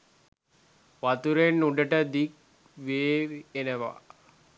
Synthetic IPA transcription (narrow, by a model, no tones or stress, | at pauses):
ʋat̪uɾenːuɖəʈəd̪ik̚ | ʋeːenəʋa̰